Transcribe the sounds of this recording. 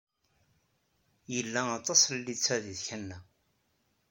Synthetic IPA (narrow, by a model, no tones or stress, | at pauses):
jəlːæɑt̪ˤːɑslːit͡sːæðiðçænːæ